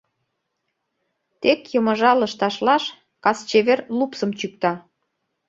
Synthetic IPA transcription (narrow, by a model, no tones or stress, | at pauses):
t̪ekjəmə̆ʒɑlə̆ʃt̪ɑʃlɑʃ | kɑst͡ɕeβerlupsəmt͡ɕyk̚t̪ɑ